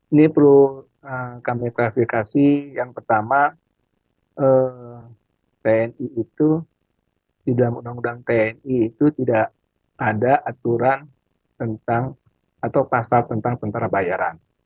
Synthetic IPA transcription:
inipəlu | əkamiklaffikasijaŋpərt̪ama | ə | t̪eɛniːt̪u | didalamundaŋundaŋt̪eɛniːt̪ut̪idaʔ | adaʔat̪uɾan | t̪ənt̪aŋ | at̪awpasalt̪ənt̪aŋt̪ənt̪aɾabajaɾa̰n

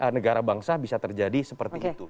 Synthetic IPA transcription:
ʔənəɡaɾabaŋsabisat̪ərd͡ʒadisəpərt̪it̪u

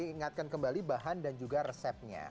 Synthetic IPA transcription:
iːŋat̪̚kankəmbalibaɦandand͡ʒuɡarəsɛp̚ɲa̰

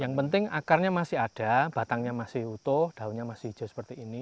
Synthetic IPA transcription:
jaŋpənt̪ɪŋʔakarɲamasɪhad̥a̤b̥a̤t̪aŋɲamasɪhut̪ʊhd̥a̤uɲamasɪhi̥d͡ʒ̥o̤sə̥pərt̪iːni

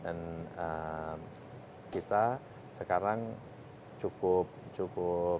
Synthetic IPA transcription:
anə | kit̪a | səkaɾaŋ | t͡ʃukʊp̚t͡ʃukʊ

